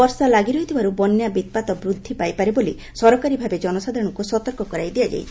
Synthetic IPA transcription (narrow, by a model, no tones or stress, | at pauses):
ɔɾsalaɡiɾɔɦit̪ʰibaɾubɔnjabit̪̚pat̪ɔbɾud̪ʱːipajpaɾeboli | sɔɾɔkaɾibʱabed͡ʒɔnɔsad̪ʱaɾɔ̃ɽ̃ɔŋkusɔt̪ɔɾkɔkɔɾajd̪ijad͡ʒa̰jt̪ʰi